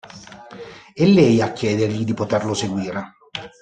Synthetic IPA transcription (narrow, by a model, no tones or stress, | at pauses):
elːɛjakːɛːd̪erʎid̪ipot̪erloseɡwiːɾe